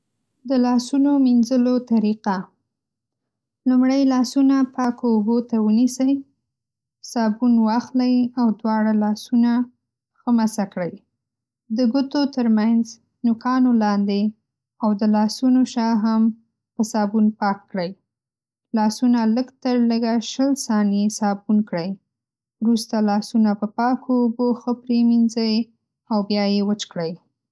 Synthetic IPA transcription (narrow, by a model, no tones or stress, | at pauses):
d̪əlɑsunominzəlot̪aɾiqa | lumɽəjlɑsunapʰɑkoːbot̪awənisəj | sɑbunwɑxləjawd̪wɑɽalɑsuna | xəmasakɽəj | d̪əɡʊt̪ot̪əɾmanz | nʊkʰɑnolɑnd̪e | awd̪əlɑsunoʃɑɦam | pəsɑbunpɑkːɽəj | lɑsunaləɡt̪əɾləɡaʃəlsɑnesɑbunkɽəj | ɾust̪alɑsunapəpɑkʰoːboxəpɾeminzəj | awbjɑjewət͡ʃkɽəj